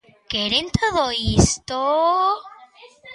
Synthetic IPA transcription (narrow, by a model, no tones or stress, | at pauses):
keɾent̪ʰoðoist̪o